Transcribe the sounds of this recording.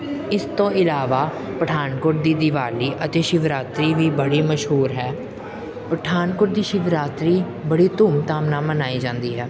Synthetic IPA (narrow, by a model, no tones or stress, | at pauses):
ɪst̪õːɪlaːʋaː | pəʈʰaːnkʊʈ̚d̪iːd̪ɪʋaːliːʔət̪eːʃɪʋɾaːt̪ɾiːʋiːbəɽiːməʃɦuːɾɦɛː | pəʈʰaːnkʊʈd̪iːʃɪʋɾaːt̪ɾiː | bəɽiːt̪ʊːmt̪aːmnãːmənaːiːd͡ʒãːnd̪iːɦɛː